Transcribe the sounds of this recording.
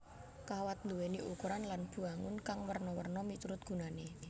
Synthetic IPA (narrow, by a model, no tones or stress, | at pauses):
kawat̪luweniʔukuɾanlanb̥ṳaŋʊ̰nkaŋwərnɔwə̰rnɔmit͡ʃuɾʊt̪̚ɡ̥ṳnane